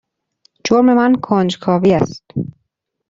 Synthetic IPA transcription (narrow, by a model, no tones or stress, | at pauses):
d͡ʒoɾme̞mænkʰoːnd͡ʒkʰɒːviːæst̪